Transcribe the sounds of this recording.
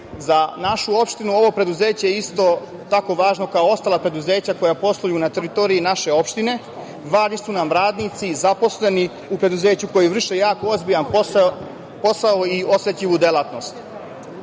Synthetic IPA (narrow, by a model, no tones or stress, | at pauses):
zanaʃuo̞pʃt̪inuo̞ʋo̞pɾe̞d̪uze̞ːt͡ɕejeist̪o̞ | t̪ako̞ʋaːʒno̞kaoo̞st̪alˠapɾe̞d̪uze̞ːt͡ɕako̞japo̞slˠojunat̪e̞ɾit̪o̞ːɾiinaʃe̞o̞pʃt̪ine̞ | ʋaːʒnisunamɾaːd̪nit̪sizapo̞sle̞ni | upɾe̞d̪uze̞ːt͡ɕuko̞jiʋr̩ʃejaːko̞ozbijan | po̞saoio̞sʋet̪ʎiʋud̪e̞lˠat̪no̞st̪